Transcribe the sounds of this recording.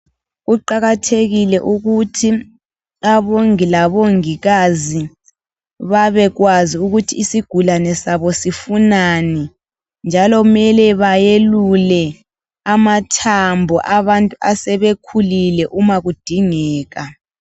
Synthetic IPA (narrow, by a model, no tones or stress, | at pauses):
ɣuǃaɣatʰeɣilɛʔuɣutʰi | aβoŋilaβoŋiɣazi | βaβɛɣwaziuɣutʰiːsiɡ̥ʱulanɛsaβɔsifunanɛ | nd͡ʒʱalɔmɛlɛβajelulɛ | amatʰambʱɔʔaβantʼuasɛβekʰulilɛʔumaɣud̥ʱiŋɛːɣa